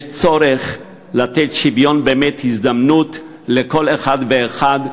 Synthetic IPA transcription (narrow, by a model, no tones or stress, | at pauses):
t͡soɾeχ | lat̪etʃivjo̞nbeːmethizd̪amnut | lekoleχad̪veːχad